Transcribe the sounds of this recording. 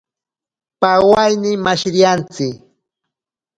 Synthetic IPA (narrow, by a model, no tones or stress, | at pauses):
pawajnɪmaʃɾjant͡sɪk